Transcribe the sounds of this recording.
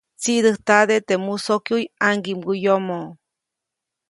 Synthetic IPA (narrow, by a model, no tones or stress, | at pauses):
t͡sid̪ɨht̪aðet̪emusokjujaŋɡimɡujomo